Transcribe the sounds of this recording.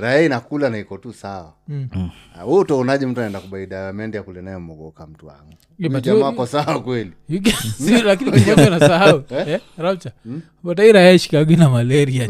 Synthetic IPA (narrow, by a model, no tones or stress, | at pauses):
ɾaainakulanaikɔtusawa̰ | hutɔɔnaʄɛm̩tuanaɛndakuɓaiɗaɛmɛndɛjakulɛnajɛmɔɡɔkam̩tuwa̰ŋɡu | iaamakɔsawakwɛliiksilak̬iniikaɔinasaɦauɛɾat͡ʃa | pataiɾajaiʃi̥kaɡinamalɛɾia